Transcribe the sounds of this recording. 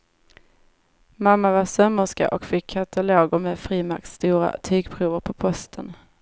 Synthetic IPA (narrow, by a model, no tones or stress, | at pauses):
mamːavasœmːəʂka̰ʔɔkfɪkʰːat̪ʰaloːɡʊɾmɛːd̪fɾiːmak̚t̪st̪uːɾa̰t̪ʰyːɡpʰɾuːvəɾpʰɔpʰɔst̪ʰən